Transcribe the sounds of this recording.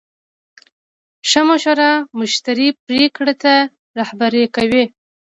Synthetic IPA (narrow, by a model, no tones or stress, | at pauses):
ʃamoʃoɾɑmʊʃt̪aɾipɾekɽat̪a | ɾahbaɾekawe